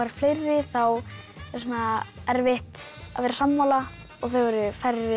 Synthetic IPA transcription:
aɾɾ̥flejrːɪθaw | θɛsnaɛɾvɪht̪a̰ðvɛːɾasamːawla | ɔɣθœɥvɔɾʏfarɪ

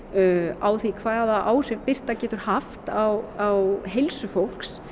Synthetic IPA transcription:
aːwθikʰvaːðaðaʔaːwr̥ɪvpɪr̥t̪acɛːt̪ʏɾ̥haft̪awawɦejlsʏfowl̥ks

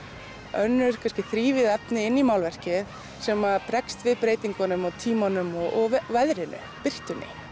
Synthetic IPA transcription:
œnːʏɾ̥kʰanscɪθɾiːvɪðɛpnɪɪnːimawlvɛr̥cɪð | sɛːmaðpɾɛkst̪vɪðpɾeːjt̪iŋkanʏmɔt̪ʰiːmanʏmɔɔɣvvɛðɾɪnʏ̰ | pɪr̥t̪ʏnːɪ̰

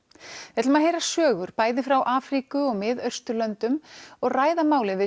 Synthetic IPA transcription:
ɛt̪maðɦejɾasœːɣʏɾpaːjðɪfɾawʔaːfɾikʏɔɣmɪðœɥ̥st̪ʏlœnt̪ʏmɔɣraːjðamaːwlɪnvɪ

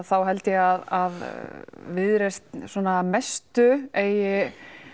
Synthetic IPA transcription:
θawɦɛlt̪jɛɣaðað | vɪðɾest̪sɔnamest̪ʏeːjɪ

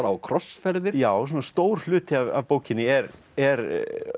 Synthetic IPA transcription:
ɾawkʰɾɔsfɛɾðɪɾjaːwsɔnast̪oːwɾ̥l̥ʏːt̪ɪava̰vpoːwcɪnːɪɛɾ | ɛɾ

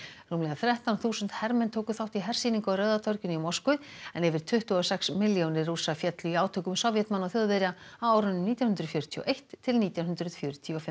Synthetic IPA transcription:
ruːmlɛɣaθɾjɛht̪awnθuːsʏnt̪hɛɾmɛnt̪ʰoːwkʏθawht̪iɦɛr̥siːniŋkɔrœːɥðat̪ʰɔɾcʏnimɔwskʏɛnɛvɪɾ̥t̪ʰʏht̪ʏɔsɛksmɪljownɪruːsafjɛt̪lʏiaːwt̪ʰœːkʏmsɔwvjɛt̪manːawθjoðvɛɾjaawaːwɾʏnːʏmniːt̪jawnhʏnd̪ɾʏfjœɾʏt̪ʰiɔ̰ʔejht̪ʰːɪlniːt̪jawnɦʏnd̪ɾʏðfjœɾʏt̪ʰiɔfɪm

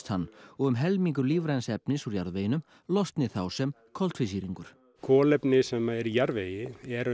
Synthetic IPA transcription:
t̪hanːɔɣʏmɦɛlmiŋkʏɾliːvɾɛnsɛpnɪsuɾjaɾðvejɪnʏm | lɔst̪nɪθawsɛm | kʰɔl̥t̪fɪsiːɾiŋkʏɾ̥ | kʰɔːlɛpnɪsɛmaɛɾijaɾvejɪɛɾ

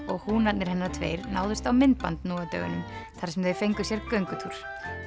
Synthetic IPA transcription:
ɔɣhunat̪nɪɾ̥hɛnːaɾt̪ʰvḛːjɾna̰ːwðʏst̪awmɪnt̪̚pant̪nuːat̪œ̰ɣʏ̰nʏmθaɾ̥sɛmθeðfejŋkʏsjɛɾkœŋkʏt̪ʰuɾ̥

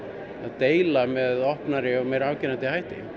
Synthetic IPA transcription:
aðt̪eːjlamɛðɔhpnaɾɪɔɣmejɾavcɪnant̪ɪhajht̪ɪ̰

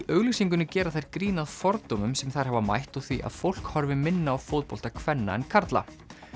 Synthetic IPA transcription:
iʔœːɣlisiŋkʏnːɪcɛːɾaθajɾkɾiːnaðfɔɾt̪omʏmsɛmθajɾ̥ɦɛvama̰jht̪uθviʔa̰ðfowl̥khɔɾvɪmɪnːaːwfowt̪̚powl̥t̪akʰvɛnːa̰ɛ̰nkʰaɾt̪la̰

